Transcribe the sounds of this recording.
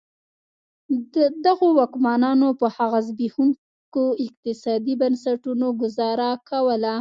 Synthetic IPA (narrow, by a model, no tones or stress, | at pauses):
dəd̪aɣowɑkmɑnɑnopəhaɣazbihuŋ | koɪq̚t̪ɪsɑd̪ibansaʈunoɡʊzɑɾakʰawəla